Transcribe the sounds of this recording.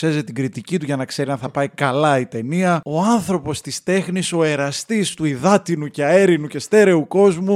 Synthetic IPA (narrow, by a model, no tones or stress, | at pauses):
se̞zet̪iɡɾit̪icit̪uʝɐnɐkse̞ɾiɐnθɐpɐikɐlɐit̪e̞niɐo̞ɐnθɾo̞po̞st̪ist̪e̞xniso̞e̞ɾɐst̪ist̪uiðɐt̪inuceɐe̞ɾinuce̞st̪e̞ɾe̞uko̞zmu